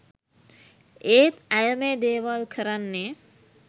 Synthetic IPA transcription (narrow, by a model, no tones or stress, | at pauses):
eːt̪æjəmed̪eːʋalkʰəɾanːe